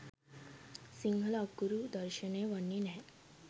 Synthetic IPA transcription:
siŋɡʱlaɡuɾud̪əɾɕəneʋəɳːinɦɛ̃

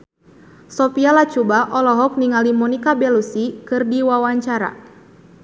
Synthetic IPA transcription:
sɔpialat͡ʃubaʔɔlɔɦɔk̚niŋalimɔnikabɛlusikɨrdiwawaɲt͡ʃaɾa̰

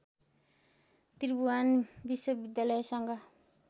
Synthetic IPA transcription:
t̪ɾbuanbiswʌbid̪jalʌjsʌŋɡa

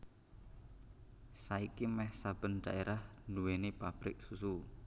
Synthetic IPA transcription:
saikimɛhsab̥ənd̪̥a̰ʔeɾahnuwenipab̥ɾɪk̚susu

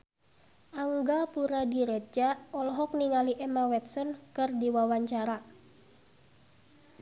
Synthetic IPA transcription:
ʔaŋɡapuɾadiɾed͡ʒaɔlɔɦɔk̚niŋaliʔemawɛt̪̚sɔnkɨrdiwawaɲt͡ʃaɾa

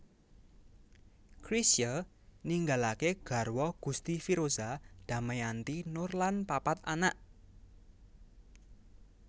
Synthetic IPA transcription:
kɾisjə | niŋɡalakeɡ̥ä̤rwɔɡ̥ṳst̪ifiɾozad̪̥a̤məjant̪inʊrlanpapat̪anaʔ

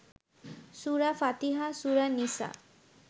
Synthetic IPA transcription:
suɾafat̪iɦasuɾanisa̰

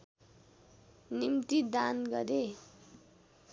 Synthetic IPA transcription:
nimt̪id̪anɡʌɾe

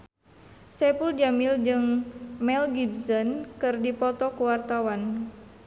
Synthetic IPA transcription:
sɛpuld͡ʒamild͡ʒɨŋmɛlɡibsənkɨrdipɔt̪ɔkuwart̪awan

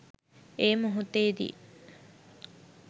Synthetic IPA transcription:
eːmuɦut̪eːd̪ḭ

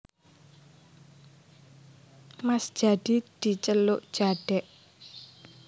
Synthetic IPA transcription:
masd̥ʒ̥a̤d̪̥id̪̥i̤t͡ʃəlʊʔd̥ʒ̥aɖ̥ɛʔ

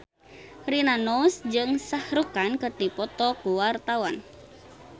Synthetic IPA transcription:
rinanɔsd͡ʒɨŋsahɾukankərt̪ipɔt̪ɔkuwart̪awan

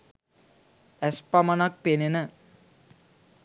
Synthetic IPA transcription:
æspamanak̚penenə

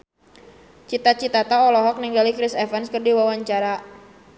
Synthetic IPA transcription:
t͡ʃit̪at͡ʃit̪at̪aɔlɔɦɔk̚niŋɡalikɾɪsɛfɛnskərdiwawaɲt͡ʃaɾa

